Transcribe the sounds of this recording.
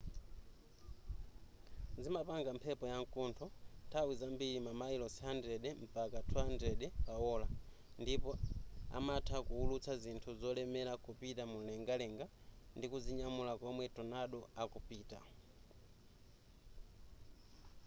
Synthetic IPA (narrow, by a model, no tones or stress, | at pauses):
zimapaŋɡam̩pʰɛpɔjaŋkuntʰɔtʰawizambiɾimamailɔsiandɛɗɛm̩pakatʰuandɛɗɛpaɔla | ndipɔa̰matʰakuulut͡sʰazintʰuzɔlɛmɛlakupitamun̩lɛŋɡalɛŋɡandikuziɲamulakɔmwɛtɔnaɗɔakupiːta̰